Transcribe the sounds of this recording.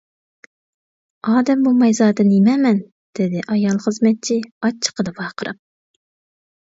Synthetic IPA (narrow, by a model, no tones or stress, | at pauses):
ɑːd̪ɛmbumɛjzɑːd̪ɨnimɛmɛn | d̪̥ɪd̪ɪʔɑjɑlˠχəzmɛt̪̚t͡ʃʰiɑt͡ʃʰːə̥qʰəd̪ɨpɑːqʰəɾɨp̚